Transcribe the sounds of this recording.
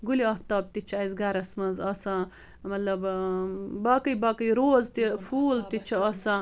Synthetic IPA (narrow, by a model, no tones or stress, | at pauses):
ɡuliɐht̪ɐːb̚t̪it͡ʃʰɐzɡɐɾɐsmɐnzɐsɐ̃ | mɐt̪lɐb | bɐːkɐjbɐkɐjɾoːzt̪ifuːlt̪it͡ʃʰɐɐsɐ̃